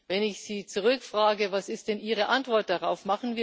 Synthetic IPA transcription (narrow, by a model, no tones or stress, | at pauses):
vɛnɪçz̥iːt͡suʁʏkfʁ̥aːɡəvasɪst̚d̥ɛnʔiːʁəʔantv̥ɔɐt̚d̥aʁaʊfmaχn̩viː